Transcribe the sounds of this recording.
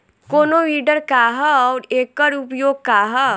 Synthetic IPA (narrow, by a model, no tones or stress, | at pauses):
koːnoʋiɖəɾkaɦəɔːɾeːkːəɾupjoːɡ̚kaɦə